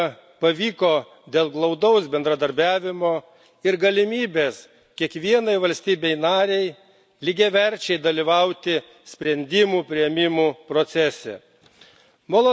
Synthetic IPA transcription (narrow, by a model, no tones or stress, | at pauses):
pɐʋʲiːkoː | d̪ʲeːlˠɡlˠɐʊd̪ɐʊsbʲɛnd̪ɾɐd̪ɐɾʲbʲæːʋʲɪmoː | ɪɾɡɐlʲɪmʲiːbʲeːs | kʲiɛkʋʲiɛnɐɪʋɐlʲsʲt̪ʲiːbʲɛɪnɑːɾʲɛɪ | lʲɪɡʲeʋʲɛɾʲt͡ʃʲɛɪd̪ɐlʲiʋɐʊt̪ʲɪ | sʲpʲɾʲɛnʲd̪ʲɪmuːpʲɾʲɪjɛmʲɪmuːpɾoːt̪sʲɛsʲɛ̰ | moːlˠo